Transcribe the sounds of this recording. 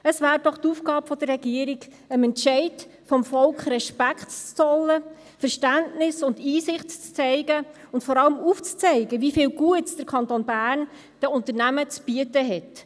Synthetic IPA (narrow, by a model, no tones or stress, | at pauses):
əsvæːɾd̥ɔχtufɡɑːbfɔd̥̪ərːɛɡ̥iəɾiɡ | əmɛntʃɛɪtfɔmfɔlkχɾɛʃpækχtt͡sɔlːə | fəɾʃtændnɪsʊndiːsɪχtt͡st͡sɛɪɡə | ʊntfɔɾɑləmuːft͡st͡sɛɪɡəvifiːlɡuətsd̥əɾkʰɑntonbæːɾn | d̥ɛʊntəɾnæmət͡sb̥iətəɦɛt